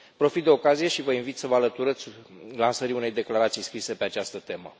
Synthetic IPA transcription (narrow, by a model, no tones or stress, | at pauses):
pɾo̞fit̪̚d̪e̞o̞kazije̞ʃivəinvit̪səvəalət̪uɾət̪sʲlansəɾiune̞jd̪e̞klaɾat̪sijskɾise̞pe̞at͡ʃast̪ət̪e̞mə̰